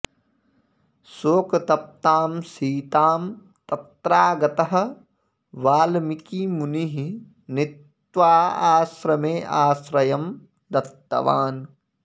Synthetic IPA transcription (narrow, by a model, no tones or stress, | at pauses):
soːkɐt̪ɐp̚t̪aːmsiːt̪aːm | t̪ɐt̪ɾaːɡɐt̪ɐɦɐ̆ | ʋaːlmikimuniɦi | nɪt̪ | ʋaːaːsɾɐmeːʔaːsɾɐjɐm | d̪ɐt̪ːɐ̰ʋaːn